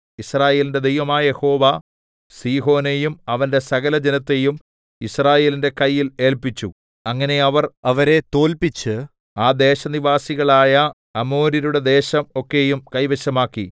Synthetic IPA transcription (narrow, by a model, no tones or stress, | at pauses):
israːje̞ːlinde̞d̪ejʋɐmaːɐje̞ho̞ːʋa | siːɦo̞ːne̞jumɐʋɐnde̞sɐɣɐlɐd͡ʑenɐt̪ːe̞jum | israːje̞ːlinde̞kɐjːile̞ːlpit͡ɕːu | ɐŋːɐne̞ɐʋɐrɐʋɐɾe̞t̪o̞ːlpit͡ɕːɨ | aːd̪e̞ːɕɐniʋaːsiɣɐɭaːjɐ | ɐmo̞ːɾiɾuɽe̞d̪e̞ːɕɐmo̞kːe̞jumkɐjʋeɕɐmaːkːi